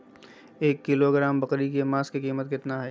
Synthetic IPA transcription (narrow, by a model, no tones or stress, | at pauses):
eːkːɪloɡɾaːmbɐqɾikemaːskikiːmət̪kɪt̪naɦɛː